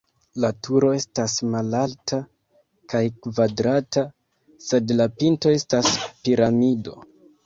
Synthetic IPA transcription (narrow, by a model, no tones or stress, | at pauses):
latuɾo̞e̞stasmalaltʰa | kajkvadɾata | se̞dlapinto̞e̞staspiɾamido̞